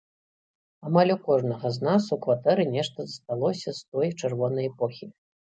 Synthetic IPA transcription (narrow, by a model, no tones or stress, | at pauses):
amalʲukɔʐnɐɣɐznasukvat̪ɛɾɨnʲɛʂt̪ɐzɐst̪alˠɔsʲɐst̪ɔjt͡ʂɛrvɔnɐjɛpɔxʲi